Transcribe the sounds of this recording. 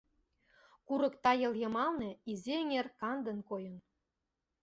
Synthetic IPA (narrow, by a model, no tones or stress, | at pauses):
kuɾɤ̆kt̪ɑjɤ̆ljɤ̆mɑlnĕizʲeŋerkɑnd̪ə̆nkojə̆n